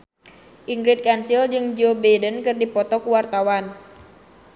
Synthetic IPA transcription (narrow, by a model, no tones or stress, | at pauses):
ʔiŋɡɾɪt̪̚kansild͡ʒɨŋd͡ʒobɛdənkɨrdipɔt̪ɔkuwart̪awan